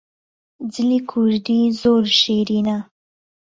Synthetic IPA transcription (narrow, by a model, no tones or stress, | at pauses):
d͡zəlikʰuɾɖ̪izoɾʃeɾina